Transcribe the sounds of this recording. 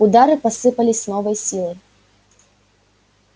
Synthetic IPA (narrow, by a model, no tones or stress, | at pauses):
ud̪aɾɨpasɨpɐlʲisʲnɔvɐjsʲilˠɐj